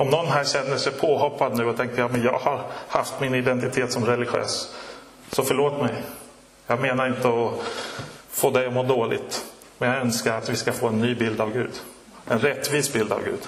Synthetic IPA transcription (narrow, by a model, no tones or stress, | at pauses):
ɔmnɔnːɦæːɕɛnːəʂɛjpʰoːɦɔpːad̪nʉ̟ːɔt̪ʰɛŋk̪əjɑːmɛnjɑ̰ːɡhaɾhaft̪mɪnɪd̪ɛnt̪ɪt̪ʰeːt̪sɔmɾɛlɪɧø̰ːs | sɔfœɭoːt̪mɛj | jɑːɡmeːnaɾɪnt̪əɔ | foːd̪ɛjɔmoːɖoːlɪ̰ɡt̪ | mɛnjɑɡœnskaɾat̪vɪskafoːɛnːyːbɪld̪avɡʉ̟ːd̪ | ɛnɾɛt̪ːviːsbɪld̪a̰vɡʉ̟ːd̪̥